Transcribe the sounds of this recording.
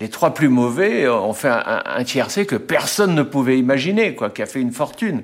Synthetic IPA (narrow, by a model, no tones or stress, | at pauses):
let̪χwaplymɔvɛɔ̰̃fɛɛ̰̃ɛ̰̃ɛ̰̃t̪jɛʁsekəpɛʁsɔnːəpuvɛimaʒinekwakʲiafɛynfɔʁt̪yn